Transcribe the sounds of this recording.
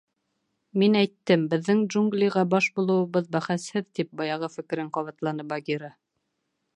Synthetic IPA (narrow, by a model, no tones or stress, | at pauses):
minæjt̪ːɘmbɘ̆ðːɘŋdʒuŋɡlʲijʁɑbɑʃbulˠɤ̆wɤ̆βɤðbæχæshɘðt̪ip̚bɑjɑʁɤfɘ̆kɘ̆ɾɘɴqɑβɑt̪lˠɑnɤbɑɡʲiɾɑ